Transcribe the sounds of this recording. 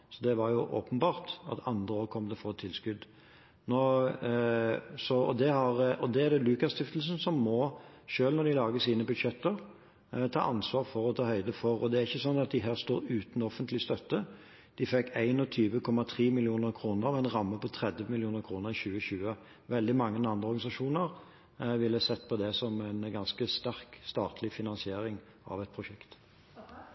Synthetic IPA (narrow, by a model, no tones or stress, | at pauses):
sɔd̪ɛʋɑɾjʊʔo̰ːpənbɑːʁt̪ɑ̰t̪ʰɑnd̪ʁəoːʁəkʰɔmːd̪ɛfɔʁt̪ʰɪlskʉd̪ | no | sɔɔd̪ɛhɑʁɔd̪ɛæd̪ɛlʉːkɑst̪ɪft̪l̩sn̩sɔmːɔ | ʃøːlnɔɾd̪ɪlɑːɡəsiːnəbʉd̪ʃɛt̪ːəʁ | t̪ʰɑ̰ːʔɑnsʋɑːʁfɔɾɔt̪ʰɑːhœʏd̪əfɔʁɔ̰d̪ɛæɾʁɪçːəsɔnːɑt̪̚d̪ɪɦæːʁst̪oːɾʉːt̪n̩ɔfənt̪lɪst̪œt̪ːə | d̪̥ɪfɛkːæɪnɔt̪ʰyːʋəkʰɔmːɑt̪ʰʁiːmɪlɪuːnəʁkʰʁuːnəʁɑʋɛnʁɑmːəpʰɔt̪ʰɾɛd̪ʋəmɪljuːnəʁkʰʁuːnəʁɪçʉːəçʉːə | ʋɛld̪ɪmɑŋːənɑnd̪ʁəɔʁɡɑɪs̬ɑʂuːnəʁ | ʋɪlːəsɛt̪ːpʰɔd̪ɛsɔmæɪnɡɑnskəst̪æʁkst̪ɑːt̪ʰlɪfɪnɑnsɪeːɾɪŋ | ɑ̰ʋɛt̪̚pʰɾʊʃɛkt̪